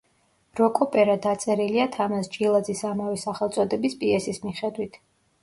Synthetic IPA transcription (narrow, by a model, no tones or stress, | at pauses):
ɾɔkʼɔpʼɛɾad̪at̪sʼɛɾiliat̪ʰamast͡ʃʼilˠad̪zisamavɛsaχɛlˠt̪sʼɔd̪ɛbispʼiɛsismiχɛd̪wit̪ʰ